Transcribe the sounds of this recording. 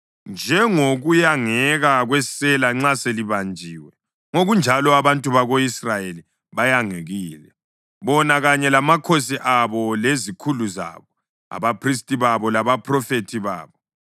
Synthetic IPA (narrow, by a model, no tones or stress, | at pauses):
nd͡ʒʱɛŋoɣujaŋɛɣaɣwɛsɛlaŋ͡ǁaseliβand͡ʒʱiːwɛ | ŋoɣund͡ʒʱalɔaβantʼuβaɣoisrajeli | βajaŋeɣiːlɛ | βɔnaɣaɲɛlamakʰosiʔaβɔlezikʰuluza̰βɔ | a̰βapʰris̬tʼiβaβɔlaβapʰʼrɔfetʰiβa̰ːβɔ